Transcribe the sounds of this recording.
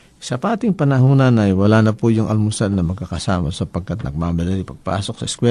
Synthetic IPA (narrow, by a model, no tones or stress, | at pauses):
sɐpaːt̪ɪŋpɐnɐɦuːnɐnɐjwɐlanɐpujʊŋʔɐ̰lmusad̪nɐmɐɡ̚kakɐsa̰ːmasɐpɐɡ̚kat̪̚nʔɐ̰ɡ̚mamɐlɐlipɐɡ̚pa̰ːsok̚sɐɛskwɛ